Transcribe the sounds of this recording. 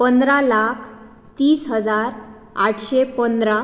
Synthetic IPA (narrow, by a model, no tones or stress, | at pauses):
pənd̪ɾalakʰ | t̪iːsɦəd͡zaɾ | aʈʰɕepənd̪ɾa